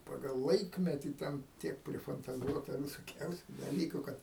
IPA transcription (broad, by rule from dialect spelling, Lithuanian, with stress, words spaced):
ˈpɑːɡɐlˠ ˈlˠɐɪkmʲɛtʲiː ˈtʲɛn ˈtʲiɛk pʲrʲɪfɐntɐˈzuɔtɐ ʋʲɪsoːˈkʲɛʊsʲʊ dɐˈlʲiːkʊ ˈkɐt